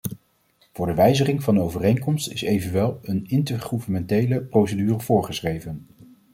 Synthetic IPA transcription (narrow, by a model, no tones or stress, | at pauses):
v̥ʊːɹdəʋɛjzəχɪŋvɑnəowvərejŋkɔmstɪsejvənʋɛlˠənɪntəɹχuvənmɛntejləprowsədyːrəv̥ʊːɹχəsχrejvən